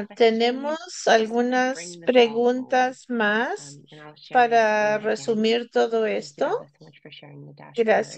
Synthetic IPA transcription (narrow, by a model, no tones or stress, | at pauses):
t̪e̞ne̞mosalɣunaspɾe̞ɣunt̪asmaspaɾare̞sumiɾt̪o̞ðo̞e̞st̪o̞ | ɡɾas